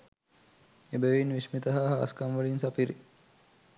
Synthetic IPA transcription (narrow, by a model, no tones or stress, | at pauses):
ebəʋinʋismit̪ɐɦaːɦɐ̰ːskamʋəlinsapiɾḭ